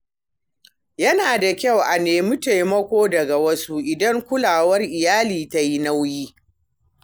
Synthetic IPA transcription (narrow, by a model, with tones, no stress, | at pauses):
jɐ˦naː˨da˨kʲa˦˨wʔa˨neː˨mu˦ta˨jmɐ˦kʷoː˦dɐ˨ɡa˨wɐ˦su˦ʔɪ˨dɐ˦ŋkʷʊ˦laː˨wɐ˦rʔɪ˨jaː˦liː˨ta˦ji˦na˦wjiː˦